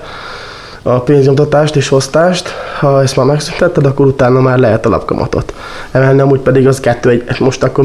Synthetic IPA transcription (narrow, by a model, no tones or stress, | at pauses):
ɒpeːnzɲomt̪ɒt̪aːʃt̪eːʃho̞st̪aːʃt̪hɒɛst̪maːɾmɛksynt̪ɛt̪ːɛd̪ɒkːo̞ɾut̪aːnːɒmaːrlɛɦɛt̪ɒlʔɒ̰pkɒ̰mʔɒ̰t̪o̞̰t̪ | ɛmɛlniɒmuːc̚pɛd̪iɡɒzkɛt̪ːøːɛɟɛsmo̞ʃt̪ɒkːor